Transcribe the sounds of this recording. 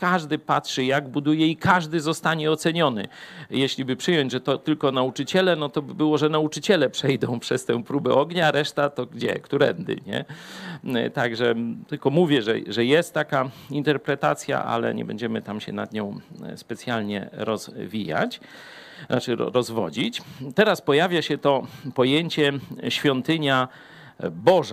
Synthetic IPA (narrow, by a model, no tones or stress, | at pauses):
kaʐd̪ɘpatʂɘjaɡbud̪ujɛikʰaʐd̪ɘzɔst̪aɲɛɔt̪sɛɲɔnɘ̰jɛɕlʲibɘpʂɘjɔɲd͡ʑʐɛt̪ɔt̪ɘlkɔnaut͡ʂɘt͡ɕɛlɛnɔt̪ɔbɘbɘwɔʐɛnaut͡ʂɘt͡ɕɛlɛpʂɛjd̪ɔ̃w̃pʂɛst̪ɛ̰̃w̃pɾubɛʔɔɡɲaɾɛʂt̪at̪ɔɡd͡ʑɛ̰kt̪uɾɛ̰nd̪ɘ̰ɲɛ̰ | t̪aɡʐɛt̪ɘlkɔmuvʲjɛʐɛ̰ʐɛjɛst̪ːakaint̪ɛɾpɾɛt̪at̪sʲja̰ʔa̰lɛ̰ɲɛ̰bɛ̰ɲd͡ʑɛmɘt̪amɕɛ̰na̰d̪ɲɔ̃w̃spɛt̪sʲjalɲɛ̰ɾɔzvʲija̰t͡ɕ | nat͡ʂɘɔ̰ɾɔzvɔ̰d͡ʑit͡ɕt̪ɛɾaspɔjavʲjaɕɛt̪ɔpɔjeɲt͡ɕɛɕfʲjɔnt̪ɘɲa | bɔʐa